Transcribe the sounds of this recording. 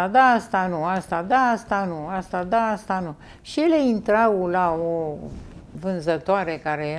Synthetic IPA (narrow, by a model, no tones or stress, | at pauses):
ad̪aast̪anuast̪ad̪aast̪anuast̪ad̪aast̪anu | ʃijele̞int̪ɾawlao | vɨnzət̪oaɾe̞kaɾeje